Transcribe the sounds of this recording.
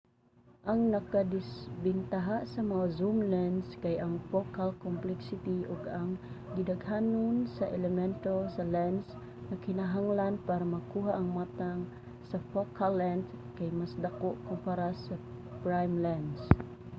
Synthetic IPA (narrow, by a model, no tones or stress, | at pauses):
ʔaŋnakadisbint̪aɦaʔsamaŋazumlɛnskajʔaŋfokalkɔmplɛksit̪iɔɡaŋ | ɡidaɡɦanʊnsaʔɛlɛmɛnt̪osalɛns | nakinaɦaŋlanpaɾamakuɦaʔːŋmat̪aŋ | safokʰalːɛndkajmasdakoʔkɔmpaɾasa | pɾajmlɛns